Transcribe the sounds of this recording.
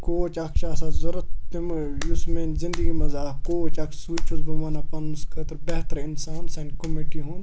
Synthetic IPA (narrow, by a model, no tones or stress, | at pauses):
koːt͡ʃaːkʃaːsazɐɾɐt̪ːimjusmenzɪ̃nd̪əɡimɐzaːkoːt͡ʃaːksuːt͡ʃʰusbʱɐʋaːnapɐnskʰɐt̪ɾbɛɦt̪ɾɪnsaːnsɐnkomiʈiɦũːn